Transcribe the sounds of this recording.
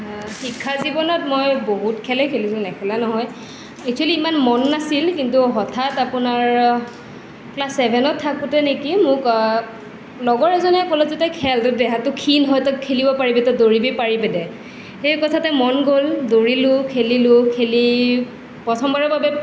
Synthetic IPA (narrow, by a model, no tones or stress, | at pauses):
xikʰːazibɔnɔtmojboɦutkʰɛlɛkʰelisʊ̃nɛkʰɔlanɔɦɔj | ɛk̚tʰaliːmanmɔnːasilkintuɦɔtʰatapʊnaɹ | plasːɛbʱɛnɔtʰːakutɛnekimʊk | lɔɡɔɹɛzɔnɛkɔlɔzutɛkʰɛltʊdɛɦatʊkʰinɦɔjtɔkʰelibɔpaɹibɛtɔdoɹibipaɹibɛdɛ | xejkɔtʰatɛmɔnɡoldoɹilʊ̃kʰelilʊkʰeli | pɔtʰɔmbɔɹɛbabɛ